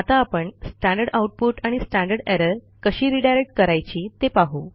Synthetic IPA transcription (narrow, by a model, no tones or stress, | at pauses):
at̪aːpəɳsʈãɳɖəɾɽɖawuʈ̚puʈaɽ̃isʈãɳɖəɾɖɛɾəɾ | kəɕiːɾiɖajɾek̚ʈ̚kəɾajt͡ɕiːt̪epaɦu